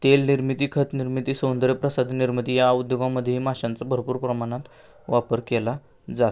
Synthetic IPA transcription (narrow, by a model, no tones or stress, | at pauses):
t̪elniɾmit̪iːkʰət̪niɾmit̪iːsõnd̪ɾjepɾəsad̪ʱniɾmit̪ijaəud̪joɡãmːəd̪ʱjəɦimaɕãnt͡sabʱəɾpuːɾpɾəmaɽ̃ãt̪ | ʋapəɾkɛla | d͡zat̪